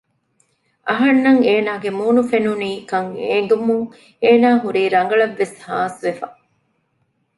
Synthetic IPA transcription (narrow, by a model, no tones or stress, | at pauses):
ʔɐɦɐnːɐŋeːnaːɡemuːnufenuniːkɐŋeŋ̆ɡumuŋ | eːnaːɦuɾiːɾɐŋ̆ɡɐɭɐʋːeshaːsʋefɐ